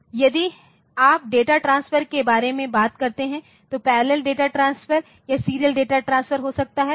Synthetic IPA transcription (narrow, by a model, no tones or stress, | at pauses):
jɐd̪i | aːp̚ɖeːʈaʈɾãːnsfəɾkebaːɾemẽbaːt̪kɐɾt̪eɦɛ̃ | t̪opɛːɾləlɖeːʈaʈɾãːnsfəɾ | jasiːɾijəlɖeːʈaʈɾãːnsfəɾɦosɐk̚t̪aɦɛː